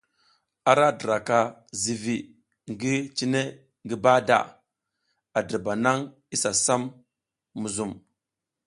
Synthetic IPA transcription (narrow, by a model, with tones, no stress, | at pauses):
a˨ɾa˦di˨ɾa˨ka˨zi˨vi˨ | ŋɡi˦t͡ʃi˦ne˦ | ŋɡi˦ba˦da̰˨ | a˨di˨ɾba˨na˦ŋ | i˦sa˨sa˦mː | u˨zu˦˨m